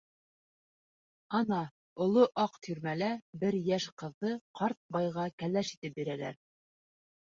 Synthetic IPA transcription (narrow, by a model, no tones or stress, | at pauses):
ɑnɑ | ŏlˠoʔɑqt̪ʰyɾmælæbɘɾjæʃqɤ̆ðːɤqʰɑɾt̪̚bɑjʁɑkælæʃit̪ɘp̚biɾælæ̰ɾ